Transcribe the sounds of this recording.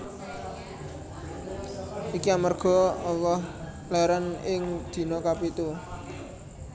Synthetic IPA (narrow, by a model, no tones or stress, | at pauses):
ʔikiamarɡ̥ɔ̤ɔlɔh | lɛɾənɪŋd̪̥i̤nɔkapit̪u